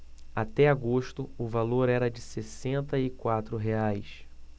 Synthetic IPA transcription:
at̪ɛaɡoʃt̪ʊʊvaloɾɛɾɐd͡ʒɪsesẽnt̪ɐɪkwat̪ɾʊɦeajs

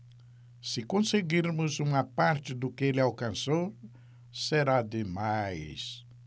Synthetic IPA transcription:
sɪkõseɡiɾmʊzũmɐpaɾt͡ʃɪd̪ʊkɪelɪawkɐ̃nsow | seɾad̪ɪmajs

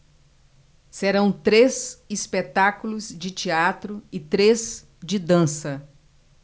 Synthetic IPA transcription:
seɾɐ̃w̃t̪ɾezispet̪akulʊzd͡ʒɪt͡ʃiat̪ɾʊɪt̪ɾez | d͡ʒɪd̪ɐ̃sɐ

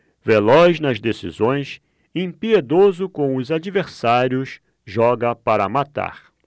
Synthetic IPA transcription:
velɔznɐzd̪esḭzõj̃s | ẽpied̪ozʊkõw̃ʊzad͡ʒiveɾsaɾjʊs | ʒɔɡɐpaɾɐmat̪a̰ɾ

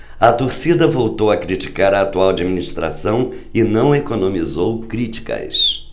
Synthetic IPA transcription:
ɐt̪oɾsid̪ɐvowt̪owɐkɾit͡ʃi̥kaɾɐaːt̪uawad͡ʒiminist̪ɾa̰sɐ̃w̃ | ɪnɐ̃w̃ekonõmizowkɾit͡ʃi̥kɐ̰s

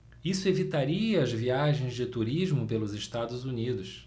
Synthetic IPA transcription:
isʊevit̪aɾiɐːzviaʒẽj̃zd͡ʒɪt̪uɾiʒmʊpelʊzɪʃt̪ad̪ʊzunid̪ʊs

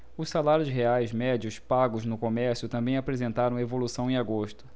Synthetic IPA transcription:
ʊssalaɾjʊzɦeajzmɛd͡ʒiʊspaɡʊznʊkomɛɾsjʊt̪ɐ̃mbẽj̃apɾezẽnt̪aɾɐ̃w̃evolusɐ̃w̃ẽaɡoʃt̪ʊ̥

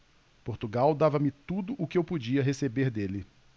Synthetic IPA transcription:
poɾt̪uɡawd̪avɐmɪt̪ud̪ʊʔʊkɪewpod͡ʒiɐɦesebeɾd̪elɪ

